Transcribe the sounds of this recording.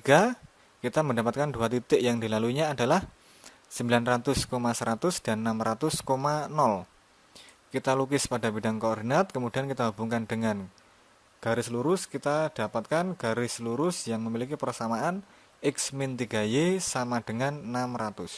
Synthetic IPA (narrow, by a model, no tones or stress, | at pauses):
iɡa | kit̪aməndapat̪̚kanduat̪it̪ɪʔjaŋdilaluiɲaːda̤lah | səmbilanrat̪ʊskomasəɾat̪ʊsd̥a̤nːamrat̪ʊskomanɔl | kit̪alukɪspadabidaŋkordinat̪̚kəmudiankit̪aɦubuŋkandəŋan | ɡ̥aɾɪsluɾʊskit̪ad̥apat̪̚kanɡ̥aɾɪsluɾʊsjaŋməmilikipərsamaʔan | ʔɪksmɪnt̪iɡ̥a̤jesamad̥əŋanːamrat̪ʊs